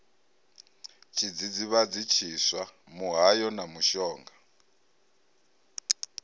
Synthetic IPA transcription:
t͡ʃʼʰid͡zid͡ziβad͡zit͡ʃʰiswamuɦajɔnamuʃɔːŋɡa

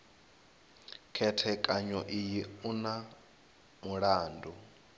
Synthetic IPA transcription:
kʰɛtʰɛkʼaɲɔʔijiuna | muɺaːndʱu

